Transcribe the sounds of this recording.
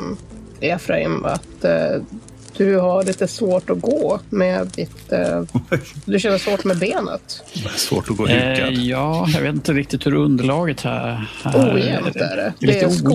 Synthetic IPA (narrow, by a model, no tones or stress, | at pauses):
ɛfɾaɪ̰ma̰t̪ | d̪̥ɵhaɭiːt̪əsvoːʈɔɡoːmɛːd̪ɪt̪ | d̪ɵɕɛnːəsvoːʈmɛbeːnə̰t̪svo̰ːʈɔɡoːjɑːjɑɡveːt̪ɪnt̪əɾɪk̚t̪ɪt̪hɵɾɵnd̪əɭɑːɡət̪hæ̰æuːjɛmt̪æ̰ɖɛ̰d̪ɛ